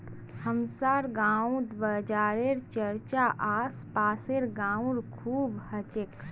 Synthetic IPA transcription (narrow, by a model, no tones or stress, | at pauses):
həmsaːɾɡãːud̪bəd͡ʒaːɾeɾt͡ʃəɾt͡ʃaʔaːspaːseɾɡãːũɾkʰuːbhət͡ʃek